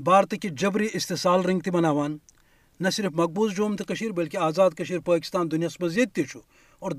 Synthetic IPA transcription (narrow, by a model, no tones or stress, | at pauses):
baːɾt̪ɐkid͡ʒɐbɾiːʔist̪esaːlɾɐŋɡ̚t̪imɐnaːʋaːnː | ɐsiɾfmɐk̚buːzd͡ʒoːmt̪ʰikɐʃiːɾbɐlkiaːzaːd̪̚kɐʃiːɾpɐːkist̪aːnd̪unijaːsmɐziːd̪̚t̪it͡ʃʰu | ɔːɾ